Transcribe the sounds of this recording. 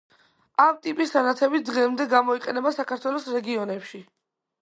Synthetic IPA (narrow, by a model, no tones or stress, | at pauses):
amt̪ʼipʼisanat̪sʰɛbit̪̚ʰd̪ʁɛmd̪ɛɡamɔiqʼɛnɛbasakʰaɾt̪ʰwɛlˠɔsɾɛɡiɔnɛpʃi